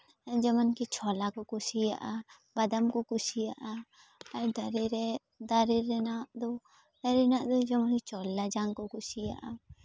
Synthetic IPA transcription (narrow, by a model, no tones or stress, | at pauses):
d͡ʒəmankit͡ʃʰɔlakɔkusijaʔa | bad̪amkɔkusijaʔa | aɾd̪aɾiɾɛ | d̪aɾiɾɛnaʔd̪ɔ | ɾɛnaʔd̪ɔd͡ʒɐmankit͡ʃɔlad͡ʒaŋkɔkusija̰ʔa